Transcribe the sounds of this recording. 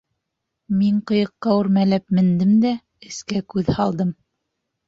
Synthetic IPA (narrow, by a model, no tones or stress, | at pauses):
miɴqɤ̆jɤ̆qːɑʉɾmælæp̚mɘ̆nd̪ɘmd̪æ | ɘ̆skækʉðhɑlˠd̪ɤm